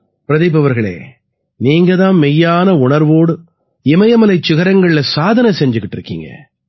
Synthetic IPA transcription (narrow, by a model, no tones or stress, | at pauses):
pɪɾɐðɐɪbɐʋɐɾɣɐɭḛː | niːŋɡɐðãːnmɛjːaːnɐʊɳɐɾʋoːɽɯ | ɪmɐjɐmɐlɐɪt͡ʃːɪɣɐɾɐŋɡɐɭɪlɐsaːðɐnɐsɛɲd͡ʒɯkːɪʈːɪɾɯkːḭŋɡɐ̰